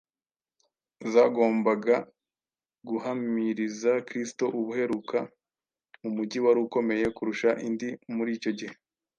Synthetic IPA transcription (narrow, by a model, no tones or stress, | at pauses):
zaɡo̞ːmbaɡa | ɡuhamiɾizakɾisto̞ʔuβuhe̞ɾuka | mumuɟiwaɾuːko̞me̞je̞kuɾuʃaʔindimuɾiːco̞ɟihe̞